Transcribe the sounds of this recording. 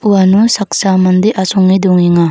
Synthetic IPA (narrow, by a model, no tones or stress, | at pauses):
uwanusak̚samand̪eʔasɔŋid̪uŋeŋa